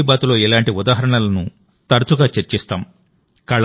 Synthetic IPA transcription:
ibaːt̪ulo̞ːɛlaːɳʈiud̪aːɦɐɾɐɳɐlɐnu | t̪ɐɾɐt͡ʃuɡaːt͡ʃeɾt͡ʃist̪aːm | kɐɭ

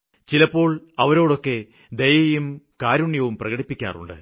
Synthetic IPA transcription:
t͡ɕilɐpːo̞ːɭɐʋɐɾo̞ːɽo̞kːe̞ | d̪ejɐjumkaːɾuɳjɐʋumprɐɣɐɽipːikʲːa̰ːrṵɳɖɨ̰

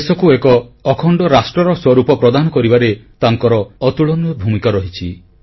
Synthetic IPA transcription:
sɔkuekɔːkʰɔɳɖɔɾasʈɾɔɾɔswɔɾupɔpɾɔd̪anɔkɔɾibaɾet̪aŋkɔɾɔːt̪uɭɔnuɔbʱumikaɾɔɦit͡ʃʰi

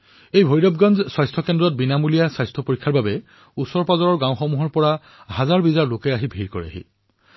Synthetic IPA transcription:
ejbʱojɾɔb̚ɡanzswajstʰɔkendɹɔt̚binamulijasajstʰɔpoɹikʰːaɹbabɛ | usɔɹpazɔɹɔɹɡãw̃xɔmuɦɔɹpɔɹa | hazaɹbizaɹlokɛaɦibʱiɹkoɹḭa̰ɦḭ

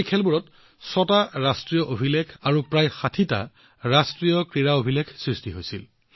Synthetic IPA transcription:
jkʰɛlbuɹɔt | sɔtaɹastɹijɔʔobʱilekʰaɹupɹajxatʰita̰ | ɹastɹijɔkɹiɹaobʱileɡʰsɹistiɦojsḭl

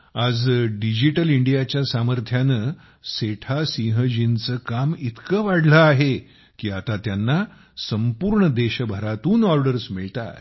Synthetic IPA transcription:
ad͡zɖid͡ʑiʈəliɳɖijat͡ɕjasaməɾt̪ʰjanə | seʈʰasĩɦəd͡ʑint͡səkamit̪kəʋaɽləaɦe | kiːat̪at̪janːa | səmpuɾɳəd̪eɕəbʱəɾat̪uːnɔɾɖəɾsmiɭt̪a̰t̪

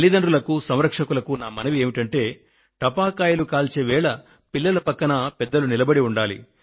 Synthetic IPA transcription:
lːid̪ɐɳɾulɐkusɐmɾɐkʂɐkulɐkunaːmɐnɐʋieːmiʈɐɳʈe̞ː | ʈɐpaːkaːjɐlukaːlt͡ʃeːʋɛːɭɐ | pilːɐlɐpɐkːɐnɐpɛd̪ːɐlunilɐbɐɽiuɳɖaːlḭ

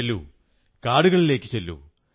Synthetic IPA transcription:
lːu | kaːɽuɣɐɭile̞ːkːɨt͡ɕelːṵ

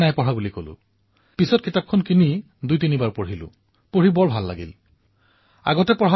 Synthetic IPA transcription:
najpɔɹabulikolʊ̰̃ | pisɔt̚kʰitap̚kʰɔnkini | dujtinibaɹpoɹilʊ̰̃ | poɹibɔɹbʱalːa̰ɡḭl | a̰ɡɔtɛpɔɹa

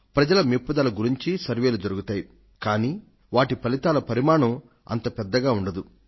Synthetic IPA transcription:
pɾɐd͡ʒɐlɐmipːud̪aːlɐɡuɾiɲt͡ʃisɐɾʋe̞ːlud͡ʒɐɾuɡut̪aːji | kaːniː | ʋaːʈipɐlit̪aːlɐpɐɾimaːɳɐm | ɐ̰nt̪ɐpɛd̪ːɐɡaːuɳɖɐd̪u

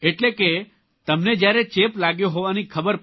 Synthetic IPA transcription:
eʈleke | t̪əmned͡ʒjaɾet͡ʃeplaɡjoɦoʋanikʰəbəɾp

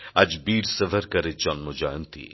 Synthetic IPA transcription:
ɐd͡ʒbiːɽsɐʋəɾkɐɾet͡ʃɔnmod͡ʒaːjnt̪ʰḭ

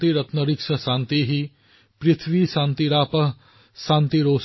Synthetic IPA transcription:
t̪iɾɐt̪nɐɾikʃʰɐsãːnt̪iɦi | pɾɪt̪ʰʋisãːnt̪iɾaːpɐɦ | sãːnt̪iɾoːs

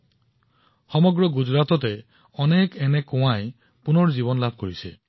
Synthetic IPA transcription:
xɔmɔɡɹɔɡud͡ʒɹat̪ɔte | ɔnekenekũw̃aj | punɔɹd͡ʒiβɔnlab̚ʱkoɹisḛ

